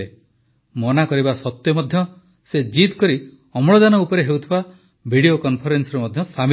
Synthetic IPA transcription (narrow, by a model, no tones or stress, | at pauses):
e | mɔnakɔɾibasɔt̪jɔmɔd̪ʱjɔ | sed͡ʒit̪kɔɾi | ɔmɔɭɔd̪anɔupɔɾeɦewt̪ʰiba | bʱiɽiokɔnpʰɔɾensɔɾɔmɔd̪ʱjɔsam